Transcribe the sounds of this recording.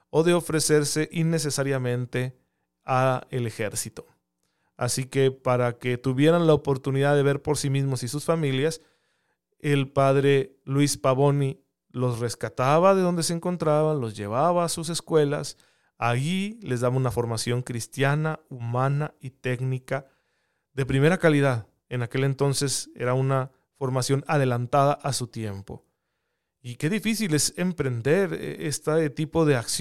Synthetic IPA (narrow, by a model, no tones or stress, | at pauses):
o̞ðe̞o̞fɾe̞se̞ɾse̞ʔinːe̞s̬e̞saɾjamẽ̞nt̪e̞ | aele̞xe̞ɾsit̪o̞ | a̰sike̞paɾake̞t̪uβje̞ɾanlaopo̞ɾt̪uniðaðe̞βe̞ɾpo̞ɾsimizmo̞sisusfamiljas | e̞lpaðɾe̞ | lwispaβo̞ni | lo̞sre̞skat̪aβaðe̞ðo̞nd̪e̞s̬eːŋko̞nt̪ɾaβanlo̞zʝe̞̰β̞aβaːsus̬e̞skwe̞la̰s | aʝile̞zðaβaunafo̞ɾmasjo̞ŋkɾist̪janaumãnait̪e̞ɡnika | ðe̞pɾime̞ɾakaliðað | enake̞le̞nt̪o̞nse̞se̞̰ɾauna | fo̞ɾmasjo̞naðe̞lant̪aðaʔasut̪je̞mpo̞̰ | ike̞ðifisile̞se̞mpɾe̞nd̪e̞ɾ̰est̪at̪ipo̞ðe̞aks